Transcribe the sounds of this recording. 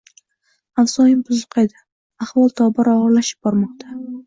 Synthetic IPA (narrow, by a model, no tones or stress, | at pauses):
amsɒjɪmbʊzʊqʰajd̪a | ahwɒlˠt̪ʰɒbaɾɒʁɨɾlaʃɪ̥b̚bɒɾmɒq̚t̪ʰa